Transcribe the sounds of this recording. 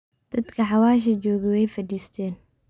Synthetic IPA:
d̪̥ɐd̪kʰɐħɑwaːʃ̬ɐd͡ʒɔːɣɪwɛjfɐdiːst̪ʰɛːn

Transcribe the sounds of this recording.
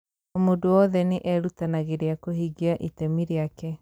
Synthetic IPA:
omodowɔðɛneʔɛɾutanaɣeɾeakohiɡeaʔitɛmiɾeakɛ

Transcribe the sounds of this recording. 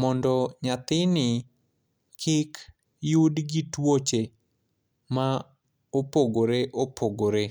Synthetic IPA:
mɔndɔɲat̪ɪnɪ | kʰɪk | judɡɪtwot͡ʃe | ma | opoɡoɾeʔopʰoɡoɾe

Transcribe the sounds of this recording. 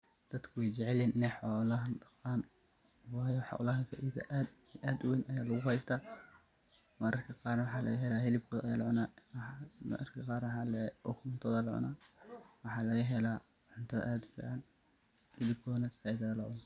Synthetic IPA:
d̪̥ɐd̪kʰʊwɛjt͡ʃɛʕɛlɛːnʔɪnɛjħɔːlɐɦɐdɐqɑːn | wɑjɐħɑ̰lɐɦɐfɐʔiːðɐ̰ʔaːd̪ | ʔaːd̪wenʔɐjaːlɐɣʊɦɛjst̪ʰaː | mɐɾɐrkʰɐqɑːrnɐwɑħɑːlɐ̰ɣɐɦɛlaːɦɪlɪb̚kʰɔːðʔɐ̰jaːlʕʊnaː | mɐ̰rkʰɐqɑːɾwħɑːlɛʔɔkʰmʊnt̪ʰɔðɐlɑ̰ʕʊ̰nawɑħɑːlɐɣɐɦɛlaː | ʕʊnt̪ʰɐð̰ʔaːd̪fḭːʕɑn | hɪlɪb̚kʰɔːnɐsaɪd̪ɐɐlɑʕʊna

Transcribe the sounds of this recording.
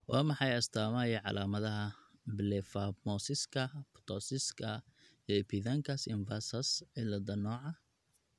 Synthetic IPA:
wɑːmɑħɑjɐst̪ʰaːmɐjɐʕɑ̰lʔaːmɐðɐɦɐblɛfɐmɔsɪskʰɐpʰt̪ʰɔsɪskʰɐ | jɔɛpʰiðɐŋkʰɐsɪnvɐsɐsɛlɐd̪ɐnɔːʕɑ

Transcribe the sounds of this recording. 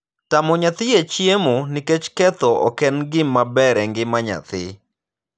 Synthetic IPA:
tamɔɲat̪ɪjet͡ʃjemuniket͡ʃkɛt̪ɔɔ̰kɛnɡɪmːabɛɾɛŋɡɪmaɲa̰t̪ɪ

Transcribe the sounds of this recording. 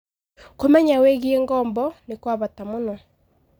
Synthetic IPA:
komɛɲaweɣieŋɡɔmbɔnekwaβatamonɔ

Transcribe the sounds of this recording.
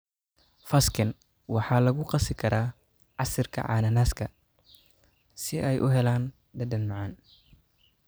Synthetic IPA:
fɐskʰɐn | wɑħɑːlɐɣʊqɑsɪkʰɐɾaː | ʕɑsɪrkʰɐ̰ʕɑ̰ːnɐnaːskʰɐ | sɪɛjʔʊɦɛlaːn | d̪ɐd̪ɐnmɑʕɑːn

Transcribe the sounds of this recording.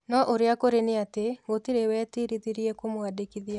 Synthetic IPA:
nɔʔoɾeakoɾeneateɣotiɾewɛtiɾiðiɾiɛkomwadekiðia

